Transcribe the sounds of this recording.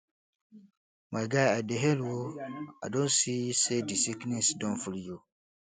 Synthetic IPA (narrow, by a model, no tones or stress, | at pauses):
maɡaadeɦelwoa̰dõnsisedisiknĩsdɔ̃nfuljo